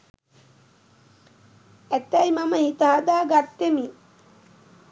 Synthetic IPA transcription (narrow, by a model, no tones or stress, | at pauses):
æt̪ːæjmaməhit̪əɦad̪aːɡat̪ːemi